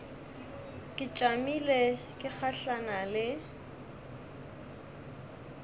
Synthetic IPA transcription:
kʼɪt͡ʃʼamile | kʼɪk͡xʰaɬanalɪ

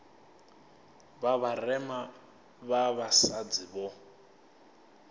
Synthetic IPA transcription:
βaβarɛma | βaβasad͡ziβɔ

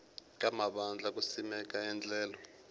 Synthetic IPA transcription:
kʼamaɓand͡ɮʱak̬ʼusimɛk̬ʼaɛnd͡ɮʱɛːlɔ

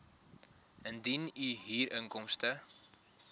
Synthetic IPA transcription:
əndinyɦiːɾʔəŋkɔmstə

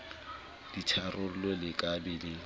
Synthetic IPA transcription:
d̥it͡ʃʰarʔʊlɔlɪkʼabɪlɪ

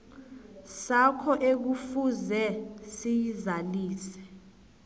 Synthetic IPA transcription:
sakʰɔʔek̬ufuzɛsijizaliːsɛ̥

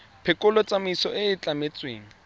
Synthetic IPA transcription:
pʰɪkʼʊlɔt͡sʼamiisɔʔɪːt͡ɬʼamet͡sʼwḛːŋ̩

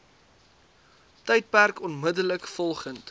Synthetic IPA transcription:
təjt̚pærkɔnmədələkfɔlˠχənt

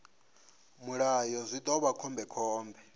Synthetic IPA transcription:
muɺajɔzʷit̪ʼɔβakʰɔmbɛkʰɔːmbɛ

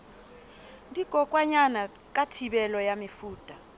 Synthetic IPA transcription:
ndʱiɡ̥ʱɔk̬ʼwaɲana | k̬ʼatʰiɓɛlɔjamifuːtʼa

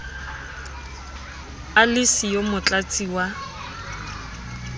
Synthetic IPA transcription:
alɪsijomʊt͡ɬʼat͡sʼiwa

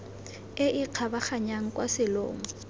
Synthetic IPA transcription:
ɪʔɪq͡χʰabaχaɲaŋ̩kwasɪlo̰ːŋ̩

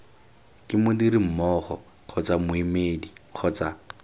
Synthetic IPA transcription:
kʼɪmʊdiɾim̩mɔːχɔ̰ | q͡χʰɔt͡samʊimeːdiq͡χʰɔt͡sa

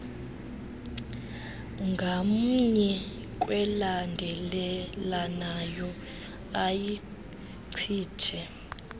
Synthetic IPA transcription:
ŋɡʱamuɲɛ | k̬ʼwɛlandʱɛlɛlanajɔ | aji | ǀʰi̥ːtʰɛ

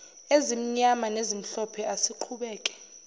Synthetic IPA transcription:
ezim̩ɲamanezim̩ɬɔpʰɛasiǃʰuɓɛːkʼɛ̥

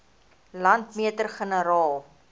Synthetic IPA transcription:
lɐntmiətərχənəɾɑːlˠ

